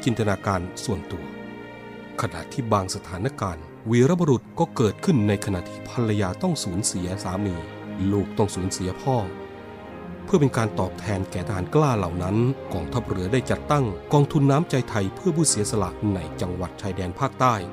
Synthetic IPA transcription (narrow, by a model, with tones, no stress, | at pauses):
t͡ɕi˧nt̪ʰa˧naː˧kaː˧nsu˨˩ənt̪u˨˩ə | kʰa˧na̰˨˩ʔt̪ʰiː˥˩baː˧ŋsa˧t̪ʰaː˩˦nːa˧˥kaː˧n | wiː˨˦ɾa˦˥˩bɔ˧ɾu˨˩t̪̚kɔː˥˩kɤː˨˩t̪̚kʰɯ˥˩nːa˧jkʰa˧na̰˨˩ʔt̪ʰiː˥˩pʰa˧lːa˧jaː˧t̪ɔ˥˩ŋsuː˩˦nsi˩˦ɐsaː˩˦miː˧ | luː˥˩k̚t̪ɔ˥˩ŋsuː˩˦nsi˨˩˦ɐpʰɔː˥˩ | pʰɯ˥˩ɐpe˧nkaː˧nt̪ɔː˨˩p̚t̪ʰɛː˧nkɛː˨˩t̪ʰa˧ɦaː˩˦nklaː˥˩la˨˩wna˦˥nkɔː˧ŋt̪ʰa˦˥p̚ɾɯ˩˦ɐdaː˥˩jt͡ɕa˨˩t̪ːa˥˩ŋkɔː˧ŋt̪ʰu˧nːaː˦˥mt͡ɕa˧jt̪ʰa˧jpʰɯ˥˩pʰuː˥˩si˨˩˦ɐsa˧la̰˨˩ʔna˧jt͡ɕa˧ŋwa˨˩t̪̚t͡ɕʰaː˧jdɛː˧npʰaː˥˩k̚t̪aː˥˩j